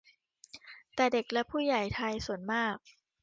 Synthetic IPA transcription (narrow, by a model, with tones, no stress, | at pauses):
t̪ɛː˨˩de˨˩k̚lɛ˦˥pʰuː˥˩ja˨˩jt̪ʰa˧jsu˨˩˦ənmaː˥˩k̚